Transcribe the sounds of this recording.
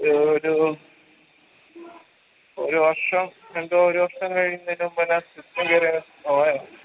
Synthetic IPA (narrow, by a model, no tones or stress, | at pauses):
oɾu | oɾuʋɐrʂɐmeɳɖooɾuʋɐrʂɐmkɐɻijunːɐðinumpɐnasit̪ːeɡeɾe | oajo